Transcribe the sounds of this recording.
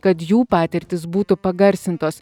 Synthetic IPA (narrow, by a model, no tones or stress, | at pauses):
kɐt̪juːpɑːt̪ʲɪɾʲt̪ʲɪsbuːt̪ʊpɐɡɐɾʲsʲɪnt̪oːs